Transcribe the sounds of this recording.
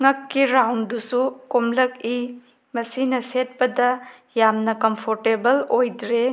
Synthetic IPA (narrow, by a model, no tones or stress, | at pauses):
ŋɐkːiɾawndusukomlɐk̚i | mɐsinɐset̚pɐdɐ | jamnɐkɐmpʰoɾtebɐlojdɾe